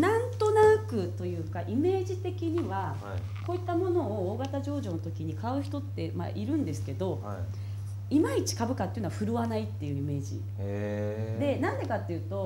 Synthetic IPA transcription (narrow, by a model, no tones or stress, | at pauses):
nãnt̪o̞nakɯ̟t̪o̞jɯ̟ːkaʔime̞ːʑit̪e̞kʲiɲ̟iβa | ko̞ːit̪ːamo̞no̞ːɡat̪aʑo̞ːʑo̞ːnot̪o̞kʲiɲ̟ikaɯ̟çi̥t̪o̞t̪ːe̞ma̰ʔiɾɯ̟̃nd̪e̞sɨ̥ke̞d̪o̞ | imait͡ɕi̥kabɯ̟kat̪ːeinoaɸɯ̟ɾɯ̟βanait̪ːe̞jɯ̟ime̞ːd͡ʑḭ | d̪e̞nãnd̪e̞kat̪ːe̞jɯ̟ːt̪o̞